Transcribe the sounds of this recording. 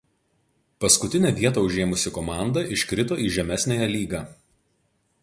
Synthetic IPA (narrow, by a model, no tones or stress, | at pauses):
pɐskʊt̪ʲɪnʲæːʋʲiɛt̪ɐːʊʒʲeːmʊsʲɪkɔmɑˑnd̪ɐʔɪʃʲkɾʲɪt̪oːiːʒʲɛmʲæsʲnʲæjɛlʲiːɡɑː